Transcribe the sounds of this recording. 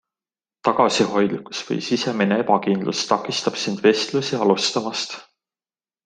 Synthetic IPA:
t̪ɑɡ̥ɑsiɦo̞jd̪̥liku̥sv̥ɤ̰jsise̞minee̞pɑkind̪lṵst̪ɑkːˑist̪ɑb̥sind̪̥ve̞st̪lusiɑlust̪ɑmɑst̪

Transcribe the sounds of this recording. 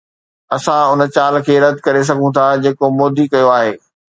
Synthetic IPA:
ɐsãʊnə̆t͡ɕaːlkʰeːɾɐd̪ʱkɐɾes̬ɐɡʱũt̪ʰad͡ʑeːkomoːd̪ʱikɐjoaːɦeː

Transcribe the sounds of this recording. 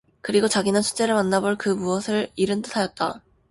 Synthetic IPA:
kɯɾiɡot͡ɕaɡinɯnt͡ɕʰu̥t͡ɕ͈e̞ɾɯɭmanːaboɭkɯmuʌsʰɯɭiɾɯntɯtʰajʌt̚t͈a

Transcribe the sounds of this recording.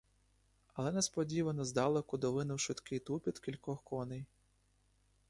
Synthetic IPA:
ɐlˠɛnɛspɔdʲiʋɐnɔzd̪ɑlˠɔkʊd̪ɔʋɪnʊwʃɪt̪kɪjt̪upʲid̪kʲilʲkɔxkɔnɪj

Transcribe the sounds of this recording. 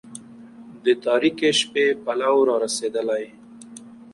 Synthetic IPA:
d̪ət̪ɑɾikeʃpepalawɾɑɾased̪əlaj

